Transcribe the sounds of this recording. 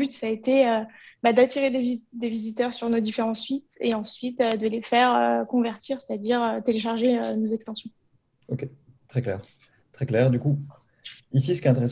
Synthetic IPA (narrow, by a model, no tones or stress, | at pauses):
byt̪saet̪eøbad̪at̪iʁed̪evid̪evizit̪œʁsyʁnod̪ifeʁɑ̃sɥit̪eɑ̃sɥit̪ød̪əlefɛʁøkɔ̃vɛʁt̪ʰiʁse̥t̪ad̪iʁøt̪eleʃ̬aʁʒeønozɛkst̪ɑ̃sjɔ̃ | okʲe | t̪χɛklɛ̰ːʁ | t̪χɛklɛʁd̪yku | isisəkʲeɛ̃t̪eʁe